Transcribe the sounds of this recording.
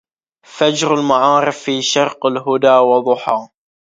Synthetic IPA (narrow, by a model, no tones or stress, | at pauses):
fad͡ʒɾalmaʕɑːɾɨfːiːʃɑɾˤqɪlɦʊd̪aːwɑðˤʊħɑː